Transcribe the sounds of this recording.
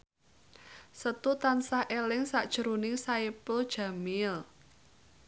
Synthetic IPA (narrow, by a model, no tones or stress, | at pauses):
sət̪ut̪ansahʔelɪŋsaʔd̥ʒ̥əɾunɪŋsaipʊld̥ʒ̥a̤mɪl